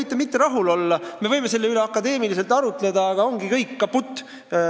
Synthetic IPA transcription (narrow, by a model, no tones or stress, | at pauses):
jt̪ːˑemit̪ːeɾɑɦulo̞lːɑme̞vɤjme̞se̞lːeyle̞ɑkːˑɑd̪e̞ːmilis̬e̞lt̪ɑɾut̪ˑle̞d̪ɑɑɡ̥ɑo̞ŋɡikɤjkːɑput̪ːˑ